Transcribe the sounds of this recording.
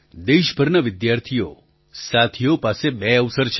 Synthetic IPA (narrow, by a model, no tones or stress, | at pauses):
d̪eʃbʱəɾnəʋɪd̪jaɾt̪ʰijo | sat̪ʰijopasebɛəʋsəɾt͡ʃʰ